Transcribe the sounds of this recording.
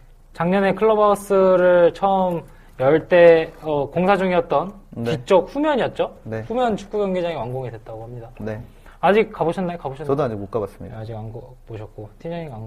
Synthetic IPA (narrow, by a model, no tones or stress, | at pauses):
t͡ɕaŋɲʌne̞kʰɯɭːʌbʌs͈ʰɯɾɯɭt͡ɕʰʌɯm | jʌɭt͈e̞ʌkoŋsʰad͡ʑuŋiʌt̚t͈ʌnkik̚t͡ɕ͈ʌk̚ɸumjʌɲijʌt̚t͡ɕ͈oneɸumjʌnt͡ɕʰu̥k͈uɡjʌŋɡid͡ʑaŋiwaŋɡoŋidwe̞t̚t͈aɡohamɲidane | ad͡ʑik̚k͈aboɕʰʌnːakaboɕʰʌʌdoad͡ʑikuk͈abas͈ɯmiad͡ʑiɡanɡʌ | boɕʰʌt̚k͈otʰiɲʌɲiwaŋ